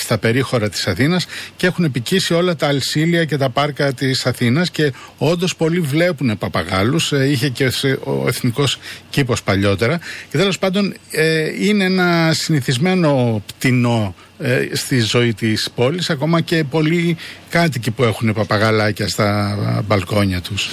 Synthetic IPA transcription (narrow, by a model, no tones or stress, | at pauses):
st̪ɐpe̞ɾixo̞ɾɐt̪i̥sɐθinɐscee̞xune̞picisio̞lɐt̪ɐːlsiliɐce̞t̪ɐpɐɾkɐt̪isɐθinɐsce̞o̞nd̪o̞spo̞livle̞pune̞pɐpɐɣɐlusiçe̞ceso̰ḛθniko̞scipo̞spɐʎo̞t̪e̞ɾɐce̞t̪elo̞spɐnd̪o̞neineenɐsiniθizme̞no̞pt̪ino̞ | st̪izo̞it̪ispo̞lisɐko̞mɐce̞po̞likɐt̪̬icipue̞xunepɐpɐɣɐlɐcɐst̪ɐbɐlko̞ɲɐt̪us